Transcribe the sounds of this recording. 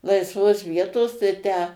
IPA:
lˠɐɪsˈʋoːs ˈʋʲiɛtoːs tɐɪ ˈtʲæː

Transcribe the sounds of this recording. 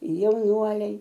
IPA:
jɛʊˈnuɔlʲɛɪ

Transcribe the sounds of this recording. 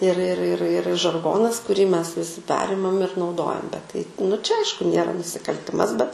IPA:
ɪr ɪr ɪr ɪr ʒɐrˈɡoːnɐs kʊˈrʲiː ˈmʲɛs ʋʲɪˈsʲɪ ˈpʲæːrʲɪmɐm ɪr nɐʊˈdoːjɛm bʲɛt tɐɪ nʊ t͡ʃʲɛ ˈɐɪʃkʊ ˈnʲeːrɐ nʊsʲɪkɐlʲˈtʲɪmɐs bʲɛt

